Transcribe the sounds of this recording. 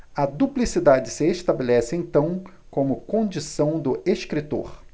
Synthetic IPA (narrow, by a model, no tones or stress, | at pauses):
ɐd̪uplisid̪ad͡ʒɪsɪeʃt̪abelɛsɪẽnt̪ɐ̃w̃ | kõmʊkõd͡ʒisɐ̃w̃d̪ʊʔeʃkɾit̪o̰ɾ